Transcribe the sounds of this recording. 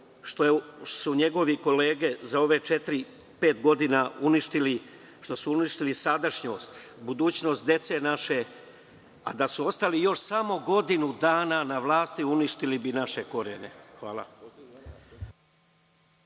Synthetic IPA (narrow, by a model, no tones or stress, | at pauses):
ʃt̪osuɲe̞ɡo̞ʋiko̞le̞ːɡe̞zao̞ʋe̞t͡ʃet̪ɾi | pe̞ːt̪ɡo̞d̪inauniʃt̪ili | ʃt̪o̞suuniʃt̪ilisad̪aʃɲo̞ːst̪bud̪uːt͡ɕno̞st̪d̪je̞t̪se̞naʃe̞ | a̰d̪asuo̞st̪alijo̞ʃsamo̞ɡo̞d̪inud̪aːnanaʋlˠaːst̪iuniʃt̪ilibinaʃe̞ko̞ɾene̞̰xʋaːlˠa̰